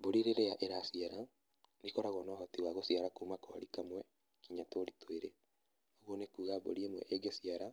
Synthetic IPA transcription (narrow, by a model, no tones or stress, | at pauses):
boɾiɾeɾejaʔeɾasiaɾa | nikɔɾaɣwɔnɔaɦɔtiwaɣosiaɾakuːmakɔɾikamwɛ | kiɲatoɾitweɾe | oɣwonekuːɣabo̰ɾiemwɛ̰ʔeɡesiaɾa